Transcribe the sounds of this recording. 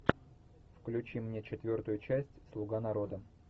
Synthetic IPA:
fklʲʉt͡ɕimnʲet͡ɕɪt̪vʲo̞rt̪ʊjʊt͡ɕæsʲtʲslˠʊɡanɐɾo̞d̪ə

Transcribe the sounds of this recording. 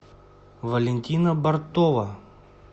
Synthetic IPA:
vɐlʲenʲt̪ʲinɐbɐrt̪ɔvɐ

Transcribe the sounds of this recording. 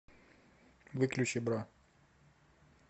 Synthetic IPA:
vɨklʲʉt͡ɕɪbɾa

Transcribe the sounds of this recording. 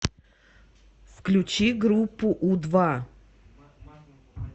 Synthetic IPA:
fklʲʊt͡ɕiɡɾupːʊʔud̪va

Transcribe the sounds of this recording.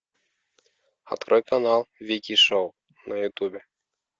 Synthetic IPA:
ɑ̰t̪krʔɔjkanɑlˠvʲikʲiʃow | nɐjut̪ubʲe

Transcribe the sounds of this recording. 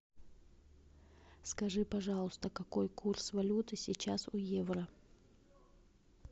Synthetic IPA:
skɐʐɨpɐʐɑlˠəst̪əkɐkojkursvɐlʲut̪ɨsʲɪt͡ɕasʊjevrə

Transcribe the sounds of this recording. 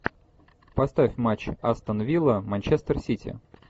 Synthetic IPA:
pɐst̪afʲmat͡ɕːɐst̪ənvʲilˠəmɐnʲt͡ɕest̪ərsʲitʲɪ̰

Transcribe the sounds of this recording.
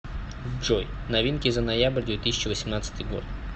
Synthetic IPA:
ʐoj | nɐvʲinkʲɪzənɐjabərʲd̪vʲet̪isʲɪt͡ɕɪvəsʲɪmnat̪sət̪ɨjɡo̞̰t̪

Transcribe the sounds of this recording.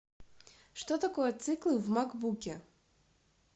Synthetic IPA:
ʂt̪ɔt̪akɔjɛt̪sɨklˠɨvmaɡbukʲɛ

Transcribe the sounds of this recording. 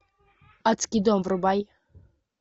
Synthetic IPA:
at͡skʲid̪omvɾubaj

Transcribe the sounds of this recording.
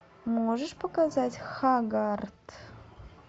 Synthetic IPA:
mɔʐəʂpəkazatʲxaɡart̪

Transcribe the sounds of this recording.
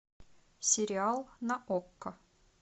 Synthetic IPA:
sʲɪɾʲɪɑlˠnɐʔokːə

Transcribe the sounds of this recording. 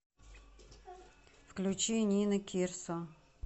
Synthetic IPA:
fklʲut͡ɕinʲinəkʲʰirsɔ

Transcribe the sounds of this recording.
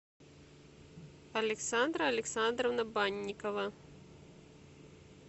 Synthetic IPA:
ɐlʲɛksand̪ɾɐːlʲɛksand̪ɾɐwnɐbanʲːikɐvɐ

